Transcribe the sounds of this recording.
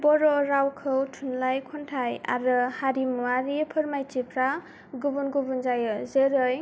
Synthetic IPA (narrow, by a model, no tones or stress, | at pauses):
bɔɾɔɾawkʰɯwtʰunlajkʰɔntʰaja̰ɾɯhaɾimuaɾipʰɯɾmajt͡ʃipʰɾa | ɡubunɡubunzajɯzeɾɯj